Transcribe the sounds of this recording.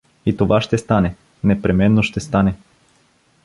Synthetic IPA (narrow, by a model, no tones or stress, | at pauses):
it̪ovaʃt̪ɛst̪anɛ | nɛpɾɛmɛnːoʃt̪ɛst̪anɛ